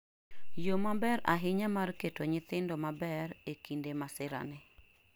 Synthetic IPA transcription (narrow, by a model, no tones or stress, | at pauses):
jomabɛɾa̰ɦɪɲamarketoɲɪt̪ɪndɔmabɛɾekindemasɪɾa̰nɪ